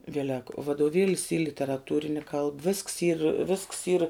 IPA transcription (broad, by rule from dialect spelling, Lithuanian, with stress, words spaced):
ˈʋʲiɛlʲɛk ʋɐdoːˈʋʲeːlʲɪs iː lʲɪtʲɛrɐˈtuːrʲɪnʲɪ kɐlˠp ʋʲɪsks iːr ʋʲɪsks iːr